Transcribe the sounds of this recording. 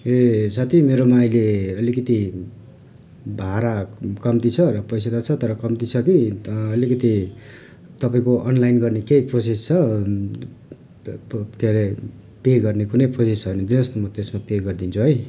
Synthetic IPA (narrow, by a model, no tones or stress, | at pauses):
esat̪ʰimeɾomajleʌlikʌt̪i | bʱaɾakʌmt̪it͡sʰʌɾʌpʌjsad̪at͡sʰʌt̪ʌɾʌkʌmt̪it͡sʰʌkiʌlikʌt̪i | t̪ʌpaĩkoʔʌnlajnɡʌrnekejprosest͡sʰʌ | kele | peɡʌrnekunʌjprosesɦʌjnʌd̪inʌst̪omʌt̪esmapeɡʌrd̪int͡sʰuɦʌj